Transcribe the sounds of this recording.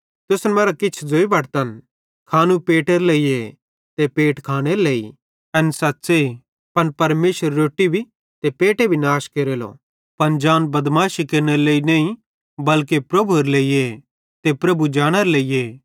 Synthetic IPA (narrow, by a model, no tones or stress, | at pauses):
t̪ʊsnmɐːɾakɪt͡ʃʰd͡zoːibʱɐʈt̪ɐn | kʰaːnũpeːʈeɾleie | t̪epeːʈkʰaːɽ̃eɾleːḭ | ɐnsɐtːsei | pɐnpɐɾmeːʃəɾːoːʈːibʱi | t̪epeːʈebʱinaːʃkeːɾeːlo̰ | pɐnd͡ʒaːnbɐd̪maːʃikeɾñeɾleːinɐːĩ | bɐlk̬epɾɐbʱuɾleːie | t̪epɾɐbud͡ʒaːɽ̃aɾeleːieː